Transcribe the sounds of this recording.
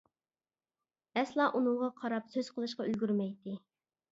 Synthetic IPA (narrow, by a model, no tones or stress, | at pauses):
ɛslˠɑʔunɨŋʁɑqʰɑɾɑpsøz̥qʰəlˠɨʃqɑylɡʲyɾmɛjt̪ɪ